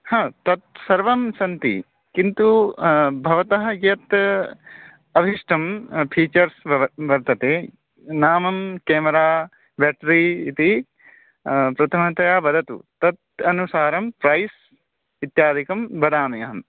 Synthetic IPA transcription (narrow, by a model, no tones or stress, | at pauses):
hãːt̪ɐt̪̚sɐɾʋɐmsɐnt̪ḭ | kint̪u | bʱɐʋɐt̪ɐɦɐjɐt̪ | ɐbʱiʂʈʰɐmpʰiːt͡ʃɐɾsʋɐʋɐɾt̪ɐt̪eː | naːmɐmkeːmɐɾaː | beːʈɾiːit̪i | pɾɐt̪ʰɐmɐt̪ɐjaːbɐd̪ʱɐt̪ṵt̪ɐt̪̚ɐnusaːɾɐmpɾɐjs | ʋit̪jaːd̪ʱikɐmbɐd̪aːnɐjɐɦɐm